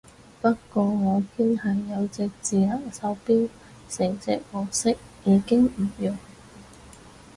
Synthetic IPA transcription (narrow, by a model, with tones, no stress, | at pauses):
pɐ˥t̚kːɔː˧ŋɔː˨˧pʰi˥nhɐ˨jːɐ˨˧wt͡sɪ˧k̚t͡siː˨lɐ˨˩ŋsɐ˨˧˥wpiː˥w | sɪ˨˩ŋt͡sɪ̰˧k̚wɔː˨ksɪ˥k̚jiː˨˧kɪ˥ŋm̩˨˩jʊ˨ŋ